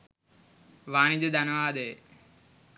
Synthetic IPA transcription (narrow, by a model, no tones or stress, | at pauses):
ʋaːnid̪əd̪ɐnəʋaːd̪e